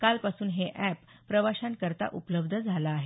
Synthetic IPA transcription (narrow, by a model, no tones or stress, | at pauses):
kalpasuːnɦeʔæpːɾəʋaɕãnt̪̚kəɾt̪a̰ʔupələbd̪ʱəd͡zʱalaːɦe